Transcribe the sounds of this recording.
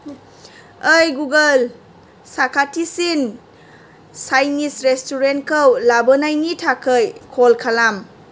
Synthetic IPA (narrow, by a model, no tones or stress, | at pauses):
əjɡuɡəl | sakʰatʰisin | sajnisɾestuɾent̚kʰəwlabənajnitʰakʰəjkʰolkʰalam